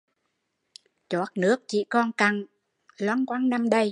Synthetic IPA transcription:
t͡ɕɔ˦˥t̚nɨ˦˥ək̚t͡ɕḭ˧˨kɔ˧nka˨˩ŋ | lwaː˧nkwaː˧nna˧mɗə˧j

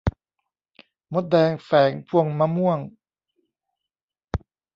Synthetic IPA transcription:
mo˧˦˥t̪̚dɛː˧ŋfɛː˩˦ŋpʰu˧˩əŋma˧˥mu˥˩əŋ

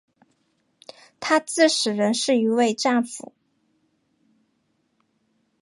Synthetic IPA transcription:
t̪ʰa˥t͡sɹ̩˥˩ʂɻ̩˨˩ɻə˧˥nʂɻ̩˥˩i˧˥we˥˧ɪʈ͡ʂa˥˩nfṵ˨˩˦

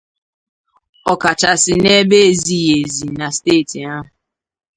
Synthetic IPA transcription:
ɔ˨ka˨t͡ʃa˨sɪ˨ne˦be˦e˨zi˨je˨zi˨na˨steː˦˨ti˨a˦ɦʊ˨

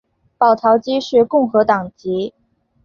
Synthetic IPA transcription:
pɑ˨˩ʊt̪ʰɑ˧˥ʊt͡ɕi˥ʂɻ̩˥˧kʊ˥˩ŋxɤ˧˥t̪ɑ˨˩ŋt͡ɕi˧˥

